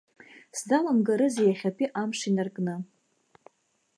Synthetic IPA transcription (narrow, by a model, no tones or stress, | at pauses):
sdalamɡaɾɨzejaχʲapʰʼiʔamʂinarkʼnɨ